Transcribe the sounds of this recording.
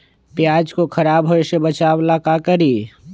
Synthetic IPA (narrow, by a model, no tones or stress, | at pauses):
pjaːd͡ʒkokʰɐɾaːbɦoesebət͡ʃaːwlakakəɾiː